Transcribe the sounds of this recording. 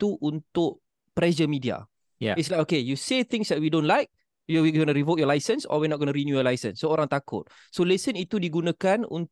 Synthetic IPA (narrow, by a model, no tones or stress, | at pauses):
t̪uʔunt̪ʊk̚ | pɾɛd͡ʒəmĩdia̰ | ja̰ɪtslakokejuset̪ɪ̃ŋsdɛt̚widõnlajk̚ | juwiɡɔnəɾivot̚jɔlajsə̃nsɔ̰winɔt̚ɡɔnəɾinjujɔlajsə̰̃nsːooɾãŋt̪akʊ̰t̪̚ | solisənit̪udiɡunãkanṵn